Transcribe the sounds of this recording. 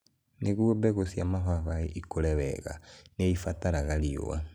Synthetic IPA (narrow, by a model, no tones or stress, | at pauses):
neɣwɔbɛɣosjamaβaβaeʔikoɾɛβɛ̰ɣa̰neifataɾaɣaɾio̰a̰